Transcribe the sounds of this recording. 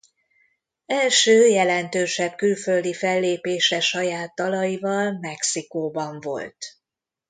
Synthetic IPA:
ɛlʃøːjɛlɛnt̪øːʃɛbkylføld̪ifɛlːeːpeːʃɛʃɒjaːt̪ːɒlɒjivɒlmɛksikoːbɒɱvo̞̰lt̪

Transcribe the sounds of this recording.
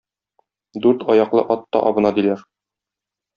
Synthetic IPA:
d̪ʉɾt̪ʰɒjɑqlˠɤʔɒt̪ːɒ̰ʔɒbɤ̆nɑd̪ilæɾ

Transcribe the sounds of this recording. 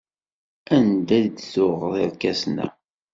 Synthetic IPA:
ænd̪æðd̪θʊʁðˤɪɾkæsnæ̰

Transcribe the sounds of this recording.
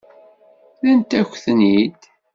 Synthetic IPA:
lənt̪æçʷθnid̪

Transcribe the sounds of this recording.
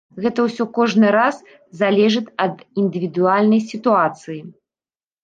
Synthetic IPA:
ɣɛt̪ɐwsʲɔkɔʐnɨɾas | zalʲɛʐɨt̪ʲɐd̪ind̪ɨvʲid̪ualʲnɐjsʲit̪uat̪sɨji

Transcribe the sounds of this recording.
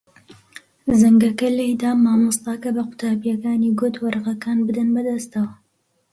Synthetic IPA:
zɐŋɡɐkɐlɐjd̪aːmaːmɨst̪ɑːkɐbɐqʊ̥t̪ʰaːbjɐkaːniɡʊt̪wɐɾqɐkaːnbɨd̪ɐnbɐd̪ɐst̪ɐwɐ

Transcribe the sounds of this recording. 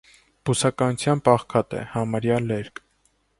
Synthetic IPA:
b̥usɑkɑnut͡sʰjɑnpɑχkʰɑt̪ɛ̰hɑmɑɾjɑlɛɾk

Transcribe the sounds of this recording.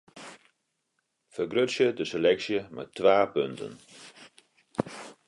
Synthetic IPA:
fərɡrøtsjədəselɛksjəmɛ̰tʰːʋaːpøntʰə̰n

